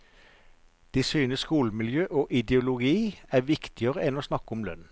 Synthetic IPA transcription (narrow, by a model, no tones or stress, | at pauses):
d̪̥ɛsyːnəskuːləmɪljøːʔoːʔɪd̪ɛʊlʊɡiːæːʋɪkt̪ɪəʁəɛnoːsnɑkɔmlœ̰n